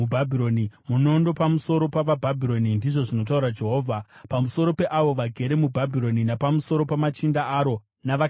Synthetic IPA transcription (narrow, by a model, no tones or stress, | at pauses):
ubʱabʱiɾo̞nimuno̞ːndopamuso̞ɾo̞paʋabʱabʱiɾo̞nindiʐo̞ʐino̞t̬auɾad͡ʒe̞ɦo̞ːvʱapamusoɾo̞pe̞ʔaʋo̞ʋaɡʱe̞ɾe̞mubʱabʱiɾo̞ninapamuso̞ɾo̞pamat͡ʃindaʔaɾo̞ | naʋa